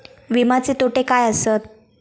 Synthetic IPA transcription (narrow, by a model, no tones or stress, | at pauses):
ʋimat͡set̪oʈekajəsət̪